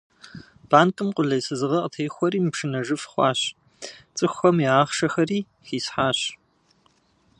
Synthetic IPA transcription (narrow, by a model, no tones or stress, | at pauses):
b̥aːnkʼɨmqʷʼʊɮɐjsɨzɨʁɐʔətʰeːxʷɔɾiːmpʂɨnɐʐɨfχʷɑ̰ːɕ | t͡sʼɨxʷɐmiaːχʂɐxɐriː | xiːsħaːɕ